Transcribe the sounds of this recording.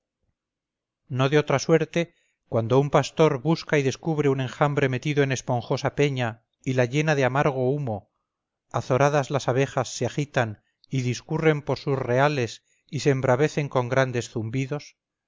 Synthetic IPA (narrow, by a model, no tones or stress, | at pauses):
no̞ðeo̞t̪ɾaswe̞ɾt̪e̞ | kwand̪o̞umpast̪o̞ɾβuskaiðe̞skuβɾeunẽ̞ŋxambɾe̞me̞t̪iðoene̞spo̞ŋxo̞sape̞ɲa | ilaʎe̞naðeamaɾɣ̞o̞umo̞ | aθo̞ɾaðazlasaβ̞e̞xasːeaxit̪an | iðiskure̞mpo̞ɾsusre̞ale̞s | iseːmbɾaβe̞θe̞ŋko̞ŋɡɾand̪e̞sθumbiðo̞s